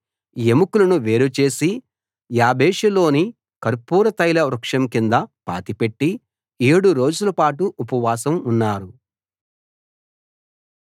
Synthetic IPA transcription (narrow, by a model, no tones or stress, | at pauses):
jemukulɐnuʋe̞ːɾut͡ʃe̞ːsi | jaːbeːʂɐlo̞ːni | kɐɾpuːɾɐt̪ɐjlɐɾɐkʂɐmkind̪ɐpa̰ːt̪ipe̞ʈːi | eːɽuɾo̞ːd͡ʒulɐpaːʈuʔːpɐʋaːsɐmunːaːɾu